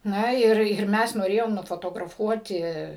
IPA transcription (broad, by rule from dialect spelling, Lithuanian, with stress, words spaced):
ˈnɐ ɪr ɪr ˈmʲɛs noːˈrʲeːjoːm nʊfoːtoːɡrɐˈfuɔtʲɪ